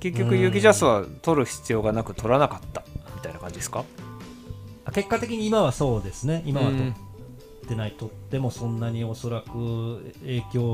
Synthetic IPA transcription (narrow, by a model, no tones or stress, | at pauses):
ke̞kʲːokɯ̟jɯːɡʲiʑasɨβat̪o̞ɾɯ̟çi̥t͡sɨjo̞ːɡanakɯ̟t̪ʰo̞ɾanakat̪ːḁmʲi̥t̪ainakãɲd͡ʑid̪eska | ake̞kːat̪e̞kʲiɲ̟iːmaβaso̞ːd̪e̞sɨne̞imaβat̪o̞ː | e̞nait̪o̞t̪ːe̞mo̞sõ̞nːaɲ̟io̞so̞ɾakɯ̟e̞ːkʲo̞ː